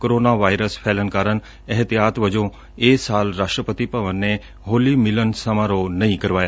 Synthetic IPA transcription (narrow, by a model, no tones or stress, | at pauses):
koɾoːnaʋaːjɾəspʰɛːlənkaːɾən | ɛɦt̪ijaːt̪ʋəd͡ʒõ | eːsaːlɾaːʃʈɾəpət̪ipəʋənːe | ɦoːlimɪlənsəmaɾonɐɦĩkəɾʋaːja